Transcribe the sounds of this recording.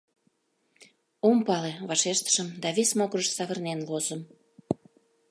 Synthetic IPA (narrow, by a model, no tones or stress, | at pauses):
ompɑleβɑʃeʃt̪ə̥ʃəmd̪ɑβesmoɣrəʃsɑβərnenlozəm